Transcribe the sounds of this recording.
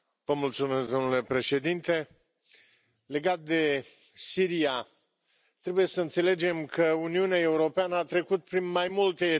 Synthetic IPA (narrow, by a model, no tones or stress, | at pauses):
vəmult̪sume̞sɡd̪o̞mnule̞pɾe̞ʃe̞d̪int̪e̞ | le̞ɡat̪̚d̪e̞ | siɾija | t̪ɾe̞buje̞səɨnt̪se̞le̞d͡ʒe̞mkʰəuniuneae̞uɾo̞peanəat̪ɾe̞kut̪̚pɾinmajmult̪e